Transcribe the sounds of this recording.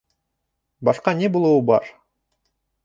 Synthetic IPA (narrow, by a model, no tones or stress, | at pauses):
bɑʃqɑnebulˠuubɑ̰ɾ